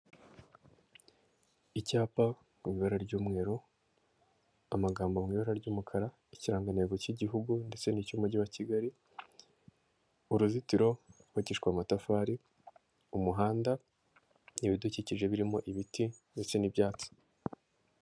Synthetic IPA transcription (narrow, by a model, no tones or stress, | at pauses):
icaːpa | mŋwiːβaɾaɾɟuːmŋe̞ːɾo | amaɡaːmbomwiːβaɾaɾɟuːmukʰaɾa | iciɾaːŋɡaneːɡociɟiɦuɡunde̞t͡se̞nicumuɟiwaciɡaɾi | uɾuzitiɾo̞waciʃkwamatafaːɾi | umuɦaːnda | niβiduciciʒe̞βiɾimo̞ʔiβitinde̞t͡se̞nibjaːt͡so̥